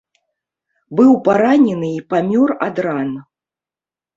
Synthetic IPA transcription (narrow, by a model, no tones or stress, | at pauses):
bɨwpaɾanʲɛnɨipamʲɔrad̪ɾan